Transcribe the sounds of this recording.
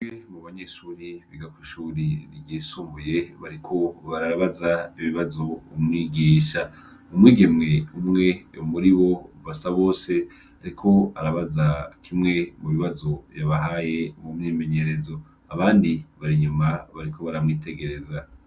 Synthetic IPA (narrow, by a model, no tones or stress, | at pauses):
wemuβaɲe̞ʃuːɾiβiɡakuʃuːɾiniɡiːsuːmbuje̞βaɾikʰo̞βaɾaaβazaiβiβazo̞umŋiːɡiːʃa | umŋiːɡe̞mŋe̞umŋe̞umuɾiβo̞uvasaβo̞ːse̞ | aɾikʰo̞aɾaβazakʰimŋe̞muβiβazo̞jaβaɦaːje̞mumɲiːme̞ɲe̞ɾe̞zo̞ | aβaːndiβaɾiɲumaβaɾikʰo̞βaɾamŋiːtʰe̞ɡe̞ɾe̞za